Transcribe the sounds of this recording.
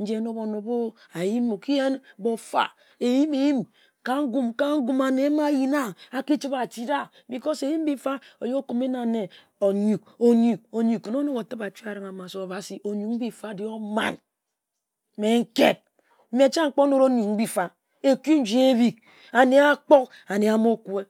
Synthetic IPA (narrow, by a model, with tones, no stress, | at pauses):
n̩˦d͡ʒe˦no˦bo˨no˨bo˦ | a˨ji˦mo˨ki˦je˦nbo˨fa̰˨ | e˨ji˦me˨ji˦m | ka˦ŋ̩˦ɡu˦mka˦ŋ̩˦ɡu˦ma˨ne˨˦ma˦ji˦na˦a˨ki˦t͡ʃi˦ba˨t͡ʃi˦da˦bi˨ko˦se˨ji˦m˦bi˦fa˦o˨jo˦ko˨me˦na˨ne˨ | o˨ɲu˨k̚o˦ɲu˨k̚o˨ɲu˨kːo˨no˦no˦ŋo˨tɨ˦ba˨t͡ʃi˦a˨ɾɨ˨ŋa˨ma˨so˨ba˨si˨ʔo˨ɲu˨km̩˦bi˦fa˦di˦o˦ma̰˦n˦ | me˨ŋ̩˦ke˦t̚ | m̩˦me˨˦t͡ʃa˦ŋ͡m̩˦k͡po˦no˦ɾo˦nu˨˦bi˦fa˨ | e˨ku˦n̩˦d͡ʒi˦e˦bi˨k̚ | a˨ne˨a˦k͡po˦k | a˨ne˨a˨mo˦ku˦e˦